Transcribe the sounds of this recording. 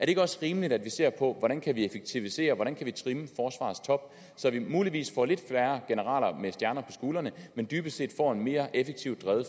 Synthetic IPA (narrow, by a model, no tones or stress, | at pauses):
æɐdee̝ɡ̥əɒ̽sʁiːməlid̥æd̥ʋise̝̰ɐ̰pʰɒ̽ʋɒd̥ænkʰæʋiefeɡ̥̚t͡sʰiʋise̝̰ːɐʋɒɾænkʰæʋit͡sʰʁiməfɒːsʋɑ̰̈ːst͡sʰɒ̽b̥̚ | sɒ̽ʋimuːliʋḭːsfɒ̰le̝d̥fæɐɡ̥e̝nəʁɑ̰̈ːlɐmesd̥jæɐnɐpʰɒ̽sɡ̥uːlɐnəmend̥yːb̥əse̝̰ːd̥fɒ̰e̝nme̝ːɐʔefeɡ̥̚t͡sʰiʊ̰d̥ʁɛðˠ